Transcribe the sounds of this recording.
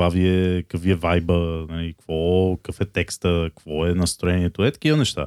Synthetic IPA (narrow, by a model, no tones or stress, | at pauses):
vaviɛkəkviɛvajbənalikv̥ɔkəfɛt̪ɛkst̪əkv̥ɔɛnɐst̪ɾoɛniɛt̪oɛt̪ə̥k̟ivənɛʃt̪a̰